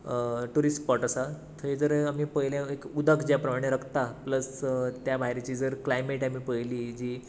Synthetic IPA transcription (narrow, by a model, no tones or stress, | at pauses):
ʈuɾiskpɔʈəsat̪ʰəid͡zəɾamiːpəɦjljãekud̪əkʰd͡ʑjapɾəmaɽ̃eɾəkʰt̪apləst̪jabʱaɦɾet͡ɕiːd͡zəɾklajmeʈamiːpəjliːd͡ʑiː